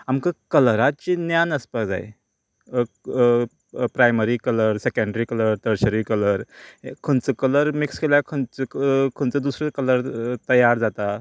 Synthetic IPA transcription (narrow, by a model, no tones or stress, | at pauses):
amkakələɾat̪̚t͡ɕinjanəspad͡za̰j̰ | pɾajməɾiːkələɾsekəɳɖəɾiːkələɾt̪əɾɕəɾikələɾkʰont͡səkələɾmikskelakʰənt͡skʰont͡səd̪usɾekələɾt̪əjaɾd͡zat̪a